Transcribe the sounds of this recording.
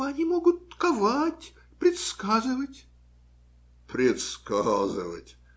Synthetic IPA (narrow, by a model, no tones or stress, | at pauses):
ɐnʲimoɡʊt̪ːkavatʲ | pɾʲɪt̪skazɨvətʲ | pɾʲɪt̪skazɨvə̰tʲ